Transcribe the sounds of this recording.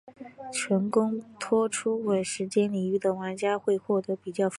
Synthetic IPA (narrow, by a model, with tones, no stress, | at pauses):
t͡ɕʰɥɛ˧˥nkʊ˥ŋt̪ʰwɔ˥ʈ͡ʂʰu˥we˥˨˩ʂɻ̩˧˥t͡ɕjɛ˥nli˨˩y˧˥˩d̪ə˧˩wa˧˥nt͡ɕja˥xwe˥˧ɪxwɔ˥˩t̪ɤ˧˥pi˨˩t͡ɕjɑ˥˩ʊ